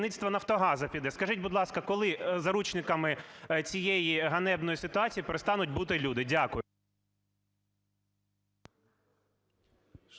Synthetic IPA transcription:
nɪt̪ʲst̪ʋɐnɐwt̪ɔɦɑzɐpʲid̪ɛskɐʒɪtʲbʊd̪lˠɑskɐkɔlˠɪzɐɾut͡ʃnɪkɐmɪt͡sʲijɛjiɦɐnɛbnɔjisɪt̪ʊɑt͡sʲijipeɾest̪ɑnʊtʲbut̪ɪlʲud̪ɪdʲakʊjʊ

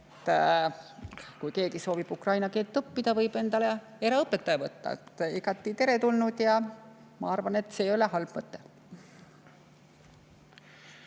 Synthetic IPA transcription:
t̪ː | kujke̞ːɡiso̞ːvib̥ukrɑjnɑke̞ːlt̪ːˑɤpːid̪̥ɑvɤjb̥e̞nd̪ɑle | eɾɑɤpːet̪ːˑɑjɑvɤt̪ːɑ̰et̪ːiɡɑt̪ˑːit̪e̞ɾe̞t̪ulnud̪̥jɑ | mɑɑrvɑne̞t̪ːˑse̞ːjo̞leɦɑlb̥mɤt̪ːe

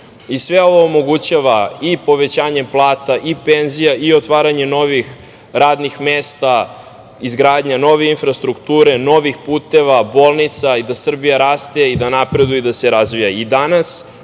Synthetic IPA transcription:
isʋeo̞ʋo̞omo̞ɡut͡ɕaʋaipo̞ʋe̞t͡ɕaːɲe̞plˠaːt̪aʔipenzijaʔio̞t̪ʋaːɾaɲe̞no̞ʋix | ɾaːd̪nixmeːst̪a | izɡɾaːd̪ɲano̞ʋeinfɾast̪ɾukt̪uːɾe̞no̞ʋixpuːt̪e̞ʋabo̞ːlˠnit̪said̪asr̩bijaɾaːst̪e̞id̪anapɾe̞d̪ujud̪aseɾazʋijaid̪anas

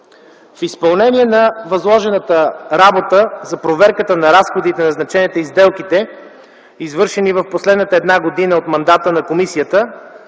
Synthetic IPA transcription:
fispɐlˠnɛniɛnɐvɐzlˠɔʒɛnət̪əɾabot̪əzɐpɾovɛɾkət̪ənɐɾasxod̪it̪ɛnɐznɐt͡ʃɛniɛt̪oizd̪ɛlˠkit̪ɛ | izvɤɾʃɛnivɐfposlɛd̪nət̪əɛd̪naɡod̪inəot̪mɐnd̪at̪ənɐkomisiət̪ə

